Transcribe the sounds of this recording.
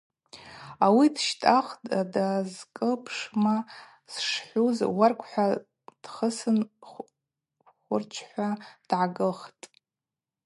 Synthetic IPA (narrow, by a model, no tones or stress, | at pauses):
awidʃtʼaχtʼdazkʼɨlpʰʂma | sʂħʷuzwarkʷʰħʷa | d̥χəsɨn | χʷʊrt͡ʃʰħʷad̥ʕaɡɨχtʼ